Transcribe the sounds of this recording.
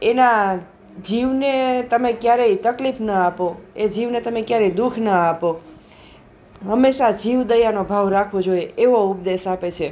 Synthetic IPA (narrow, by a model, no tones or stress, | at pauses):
ena | d͡ʒiʋnet̪əmekjaɾeit̪əklifnəapoed͡ʒiʋnet̪əmẽkjaɾeid̪ukʰnəapo | ɦəmːeʃad͡ʒiʋd̪əjanobʱaʋɾakʰʋod͡ʒoieeʋoup̚d̪eʃapet͡ʃʰe